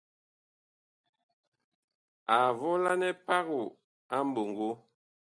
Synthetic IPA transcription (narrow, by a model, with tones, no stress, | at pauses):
a˨vɔ˦la˦nɛ˦pa˦ɣu˨ | a˦m̩˦bo˨ŋɡo˦